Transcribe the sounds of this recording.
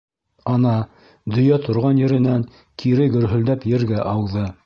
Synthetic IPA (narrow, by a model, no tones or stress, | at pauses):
ɑnɑ | d̪ɵ̆jæt̪ŏɾʁɑnjɘ̆ɾɘ̆næŋ | kʰiɾɘɡɵ̆ɾɦɵ̆ld̪æpjɘ̆ɾɡæʔɑwðɤ